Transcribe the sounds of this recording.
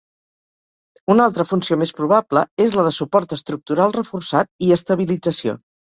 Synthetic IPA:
unalˠt̪ɾəfunsiomespɾuβ̞apləezləðəsupɔɾt̪əst̪ɾuk̚t̪uɾalˠrəfursat̪̚iəst̪əβ̞ilid͡zəsio̰

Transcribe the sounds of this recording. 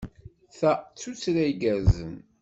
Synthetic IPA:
θæt͡sːut͡sːɾæjɡæzə̰m

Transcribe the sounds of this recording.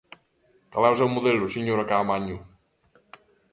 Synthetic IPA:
kalawzawmuðɛluseɲoɾakaːmaɲu

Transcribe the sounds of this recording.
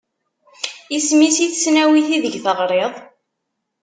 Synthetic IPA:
ismisiθsnæwiθiðəʝθəʁɾˤeðˤ

